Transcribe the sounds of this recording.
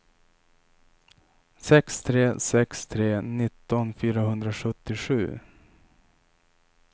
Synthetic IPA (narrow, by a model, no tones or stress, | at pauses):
sɛkst̪ʰɾeːsɛkst̪ʰɾeːnɪt̪ːɔnfyːɾaɦɵnd̪ɾaɧɵt̪ːɪɧʉ̟ː